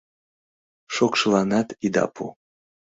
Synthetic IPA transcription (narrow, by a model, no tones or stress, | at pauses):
ʃokʃəlɑnɑt̪id̪ɑ̰pʰṵ